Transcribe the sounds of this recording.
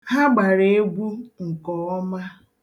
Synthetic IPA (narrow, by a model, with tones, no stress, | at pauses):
ha˦ɡ͡ba˨ɾe˨e˦ɡʷu˦ŋ̩˨kɔ˨ɔ˦ma˦